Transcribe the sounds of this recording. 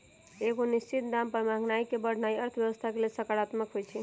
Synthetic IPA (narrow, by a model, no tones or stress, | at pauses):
eɡonist͡ʃit̪d̪ampəɾmãŋɡnaikebəɽ̤naiəɾt̪ʰbjəʋəst̪ʰakelelsəkaɽat̪məkɦojt͡ʃʰɛ